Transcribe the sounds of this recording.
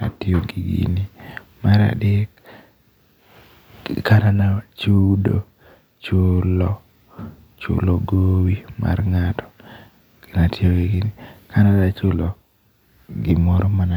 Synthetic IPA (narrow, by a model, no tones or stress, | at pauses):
a̰tɪoɡiɡḭni | maɾa̰dɪk | kananat͡ʃudo̰ | t͡ʃʊlɔ | t͡ʃʊ̰loɡowimʔa̰rŋatʰɔ̥ | ɡ̥ɪnatɪoɡiɡinikʰanadat͡ʃʊlo | ɡɪmɔɾɔmana